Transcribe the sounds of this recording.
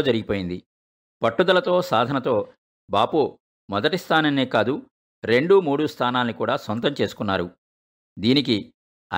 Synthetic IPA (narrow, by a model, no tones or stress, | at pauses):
d͡ʒɐɾiɡipo̞ːjind̪i | pɐʈːud̪ɐlɐt̪o̞ːsaːd̪ʱɐnɐt̪o̞ː | baːpoː | mɔd̪ɐʈist̪ʰaːnɐnːeːkaːd̪u | ɾe̞ɳɖumuːɽust̪ʰaːnaːnːikuːɽaːsɐnt̪ɐmt͡ʃeːsu̥kunːaːɾu | d̪iːnik̬i | ɐ̰